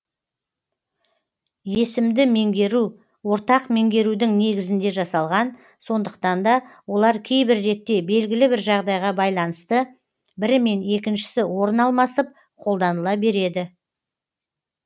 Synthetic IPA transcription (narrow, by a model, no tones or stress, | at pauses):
je̞sɪmd̪ɪme̞ŋɡʲe̞ɾu | wo̞ɾt̪ɑqme̞ŋɡʲe̞ɾud̪ɪŋne̞ɡʲɪzɪnd̪e̞ʒɑsɑlˠʁɑn | so̞nd̪əqt̪ɑnd̪ɑwo̞lˠɑɾkʲʰe̞jbɪɾːe̞t̪ːe̞be̞lɡʲɪlɪbɪɾʒɑʁd̪ɑjʁɑbɑjlˠɑnəst̪ə | bɪɾme̞ne̞kʲɪnʃɪ̥sɪwo̞ɾənɑlˠmɑsəp̚ | qʰo̞lˠd̪ɑnəlˠɑbe̞ɾe̞d̪ɪ